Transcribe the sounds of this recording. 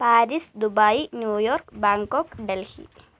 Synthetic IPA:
paːɾisd̪ubainjujɔɾkbaŋkɔkɖɛlhḭ

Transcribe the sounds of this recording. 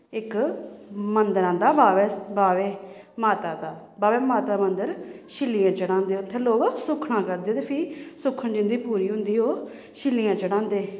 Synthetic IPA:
ɪk | mənd̪əɾãːd̪aːbaːʋeːbaːʋeː | maːt̪aːd̪aː | baːʋeːmaːt̪aːmənd̪əɾʃɪlːijãːt͡ʃəɽãːnd̪eːʊt̪ʰːeːloːksʊkʰnãːkəɾd̪eːt̪eːpʰiːsʊkʰːənd͡ʒɪnd̪iːpuːɾiːɦʊ̃nd̪iːɦoː | ʃɪlːijãːt͡ʃəɽ̃ãːnd̪eː

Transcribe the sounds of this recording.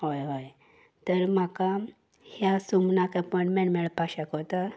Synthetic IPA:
ɦojɦoj | t̪əɾmaka | hjasumnakapəɳmɛ̃ɳmɛɭpaɕakot̪a

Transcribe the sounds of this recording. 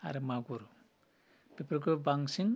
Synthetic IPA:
a̰ɾɯmaɡuɾ | pepʰɾɔɡɯbaŋsiŋ

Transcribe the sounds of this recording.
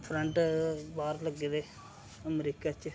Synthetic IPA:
pʰɾəɳʈbaːɾləɡed̪eː | əmɾiːkat͡ʃ

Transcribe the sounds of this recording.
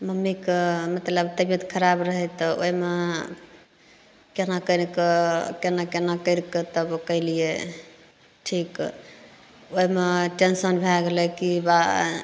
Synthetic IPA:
məmːikmət̪ləbt̪əbjət̪kʰəɾabɾəɦɛt̪ɔʔo̰ime | kenakənkekenakenakəɾket̪əbkəilije | ʈʰik | oɦimeʈensənbʱɛɡlɛkiba

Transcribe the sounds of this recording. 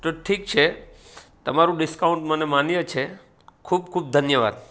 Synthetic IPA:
t̪oʈʰik̚t͡ʃʰe | t̪əmaɾũɖɪskaũɳʈmənemanjet͡ʃʰe | kʰub̚kʰub̚d̪ʱənjəʋa̰d̪

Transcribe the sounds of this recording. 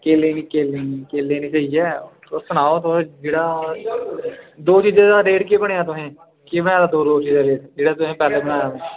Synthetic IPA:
keːleːnikeːleːniːkeːlːeːniːt͡ʃəiɛːt̪oːsʊnaːoːt̪oed͡ʒɪɽaː | d̪oːt͡ʃiːd͡ʒeːd̪aɾeːɽkeːbəɳeːãːt̪ʊɦẽː | kebnaːd̪ad̪oːd̪oːt͡ʃiːd͡ʒaːɾeːɽd͡ʒɪɽaːt̪ʊɦẽːpɛːleːbənaːjaːʋẽː

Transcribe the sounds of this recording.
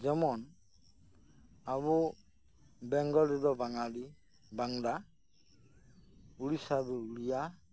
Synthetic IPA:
d͡ʒɔmɔn | aβu | bɛŋɡɔlɛdɔbaŋali | baŋda | ulisabɛulija

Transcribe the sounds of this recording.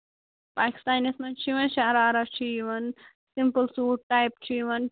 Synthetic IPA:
paːki̥st̪aːnesmɐ̃nt͡ʃʰiʋɐnʃaɾaːɾɐt͡ʃʰiʋɐn | simpəlsuːʈajp̚t͡ʃʰiʋɐn

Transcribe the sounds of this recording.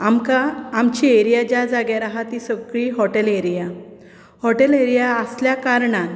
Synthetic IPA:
amkaːmt͡ɕieɾijad͡ʑad͡zaɡjaɾaɦat̪isəɡɭiːɦɔʈeleɾija | hɔʈeleɾijaəsljakaɾɳat̪

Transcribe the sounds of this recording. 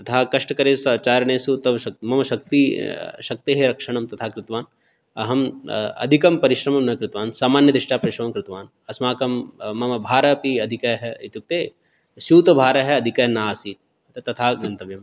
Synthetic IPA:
t̪ɐt̪ʰaːkɐʂʈɐkɐɾeːsɐt͡ʃaːɾɐɳeːsut̪ɐʋʃɐk̚mɐmɐʃɐk̚t̪iʃɐk̚t̪eɦeɾɐkʂɐɳ̃ɐmt̪ɐt̪ʰaːkɾɪt̪ʋaːn | ɐ̰ɦɐmɐ̰d̪ʱikɐmpɐɾiʃɾɐmɐmnɐkɾɪt̪ʋaːnsaːmaːnjɐd̪ɾɪʃʈaːpɐɾɪʃɾɐmɐmkɾɪt̪ʋaːn | ɐsmaːkɐmːɐmɐbʱaːɾɐpiɐd̪ʱikɐɦɛit̪juk̚t̪eː | sjuːt̪ɐbʱaːɾɐɦɛɐd̪ʱikɐnaːsiː | t̪ɐt̪ɐt̪ʰaːɡɐnt̪ɐʋjɐm

